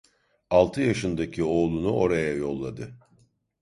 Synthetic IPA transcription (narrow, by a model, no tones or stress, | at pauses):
alˠt̪ʰɯjaʃɯnd̪acʰio̞ːlˠunuo̞ɾajajo̞lˠːad̪ɯ